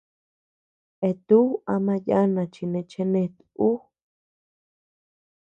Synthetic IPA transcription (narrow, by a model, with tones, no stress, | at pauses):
e˧˨t̪u˦a˧mã˧ja˦nã˧t͡ʃi˧nẽ˧t͡ʃe˧nẽ˧t̪uu˦